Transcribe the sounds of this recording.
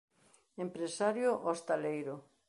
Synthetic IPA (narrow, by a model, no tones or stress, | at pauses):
empɾesaɾjoʔost̪alejɾo